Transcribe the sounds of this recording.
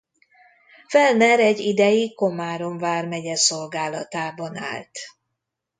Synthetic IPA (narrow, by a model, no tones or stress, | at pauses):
fɛlnɛɾɛɟːid̪ɛjiko̞maːɾoɱvaːrmɛɟɛso̞lɡaːlɒt̪aːbɒna̰ːlt̪